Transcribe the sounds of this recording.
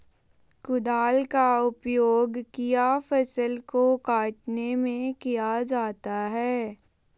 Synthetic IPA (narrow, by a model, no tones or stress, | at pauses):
kʊd̪aːlkaʊpjoːɡkijafəsəlkokaːʈnemẽkijad͡ʒaːt̪aɦɛː